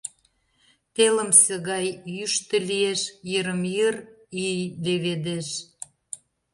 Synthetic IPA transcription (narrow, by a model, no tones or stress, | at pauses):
t̪eləmsəɣɑjːyʃt̪ə̆lieʃjəɾəmjərijd̪eβed̪eʃ